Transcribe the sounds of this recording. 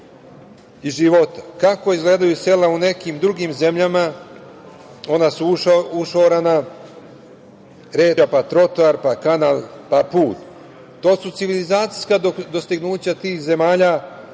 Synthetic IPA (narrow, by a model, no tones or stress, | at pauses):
iʒiʋo̞t̪ḁkakoizɡle̞ːd̪ajuse̞laune̞kiːmd̪ɾuɡiːmze̞mʎama | o̞nasuuʃoɾana | ɾeːapat̪ɾo̞t̪oaɾpakanaːlˠpapuːt̪ː | o̞ːsut̪siʋilizaːt̪si̥skaod̪o̞st̪iɡnuːt͡ɕat̪iːxze̞maːʎa